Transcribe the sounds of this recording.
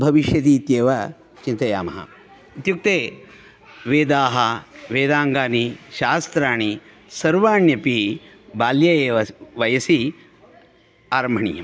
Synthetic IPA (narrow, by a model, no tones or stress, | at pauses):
bʱɐʋiʃjɐt̪̬iːt̪jeːʋɐ | t͡ʃint̪ɐjaːmɐ̰ɦɐ̰ | ut̪juk̚t̪eː | ʋeːd̪aːɦɐʋeːd̪aːŋɡaːniʃaːst̪ɾaːɳi | sɐɾʋaːɳjɐpi | baːljɐjeːɐʋɐjɐsi | aːɾɐmbʱɐɳḭːjɐm